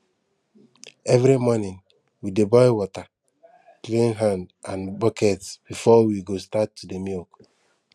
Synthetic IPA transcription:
ɛvɾimɔnĩn | widebajwɔta | klĩnɦãndãnbɔkʰɛtsb̥ifɔwiɡostatːudemilk

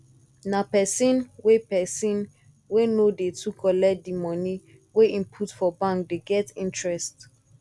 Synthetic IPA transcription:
napɛsĩnwepɛsĩn | wenodetʰukʰɔlɛdimɔ̃ni | weĩmpʰutfɔbãŋkdeɡɛtĩntɹɛst

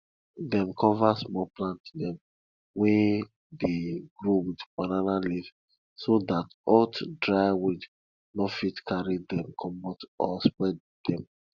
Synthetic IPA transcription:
dɛ̃mkʰɔvasmɔplãntdɛ̃m | wɛ | deɡɹowidbananaliv | sodat | ɔtdɹaɪwud | nɔfitkʰaɹidɛ̃mkʰɔ̃mbɔtɔspwɛd | dɛ̃m

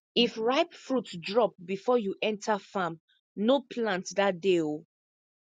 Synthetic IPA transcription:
ifɹaɪpfɹutdɹɔp̚bifɔjuʔɛ̃ntʰafãm | nopʰlãntdatdeo

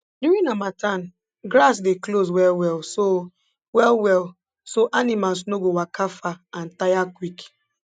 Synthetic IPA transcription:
djuɹĩnamatʰãn | ɡɾasdeklos̬wɛlwɛlso | wɛlwɛl | soʔanimals̬noɡowakʰafaãntajakwik

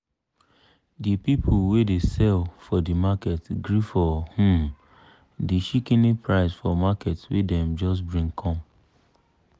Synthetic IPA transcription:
dipipʰulwedesɛlfɔdimakɛtɡɾifɔhũm | diʃikinipɹaɪsfɔmakɛtswḛdɛ̃md͡ʒɔs̬bɹĩŋkʰɔ̃m

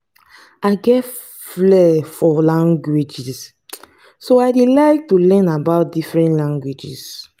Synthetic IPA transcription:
aɪɡɛt | flɛfɔlãŋɡwid͡ʒis | soaɪdelaɪk̚tulɛnabaʊt̚difɹɛ̃ntlãŋɡwid͡ʒḭs

